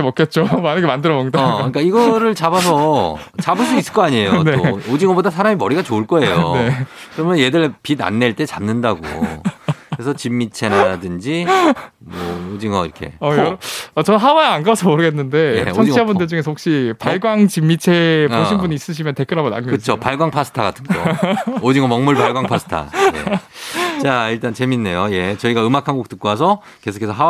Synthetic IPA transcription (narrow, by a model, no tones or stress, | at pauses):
mʌk͈et̚t͡ɕ͈omanɯɡemandɯɾʌmʌkdaik͈aiɡʌɾɯɭt͡ɕabasʰʌʌt͡ɕabɯɭs͈uis͈ɯɭk͈oaɲiejoneod͡ʑiŋʌbodasʰaɾamimʌɾiɡat͡ɕoɯɭk͈ʌe̞jo̰ne̞kɯɾʌmjʌnje̞dɯɭpida̰nːe̞ɭt͈e̞t͡ɕamnɯndaɡo̰ | kɯɾesʰʌt͡ɕimːit͡ɕʰe̞ɾadɯnd͡ʑi | mʌod͡ʑiŋʌ̰ḭɾʌkʰḛʌjʌɾat͡ɕʌnnɦawaeanɡasʰʌmoɾɯɡe̞nːɯnde̞jet͡ɕʰʌnt͡ɕiabundɯɭd͡ʑuŋe̞s̬ʰok̚ɕ͈ipaɭɡwaŋt͡ɕimːit͡ɕʰe̞poinbuniːs͈ɯɕ̬ʰimjʌnte̞k͈ɯɾɦabona̰ŋɡokɯt͡ɕʰopaɭɡwaŋpʰas͈ʰɯ̥tʰaɡatʰɯ̥ŋood͡ʑiŋʌmʌŋmuɭpaɭɡwaŋpʰasʰɯ̥tʰa̰jḛ | t͡ɕaiɭt͈ant͡ɕeminːe̞joje̞t͡ɕʌiɡaɯmakʰanɡok̚t͈ɯk͈uas̬ʰʌ | ke̞sʰokʰesʰʌɦa